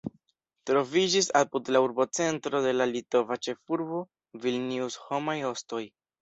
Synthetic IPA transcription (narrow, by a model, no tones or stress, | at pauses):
tɾo̞vid͡ʒisapudlauɾbo̞t͡se̞ntɾo̞de̞lalito̞vat͡ʃe̞fuɾbo̞ | vilniusho̞majo̞sto̞j